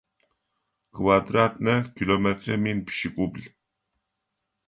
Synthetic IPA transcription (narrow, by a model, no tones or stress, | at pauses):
kʰvad̪ɾat̪ʼnɛkʰilɔmɛt̪ʼɾɛminpʃikʼubli